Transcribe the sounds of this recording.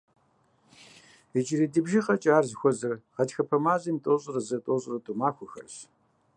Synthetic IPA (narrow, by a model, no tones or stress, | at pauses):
əd͡ʒɪɾidɨbʒiχɐt͡ʃʼaːrzxʷɔzɐrʁɐtxɐpʰɐmaːʑimtʼoːɕʼrɐzɐtʼoːɕʼrɐtʼʊmaːxʷʊxɐ̰rɕ